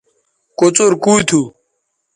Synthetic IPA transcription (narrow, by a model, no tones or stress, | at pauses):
kot͡soɾkuːt̪ʰu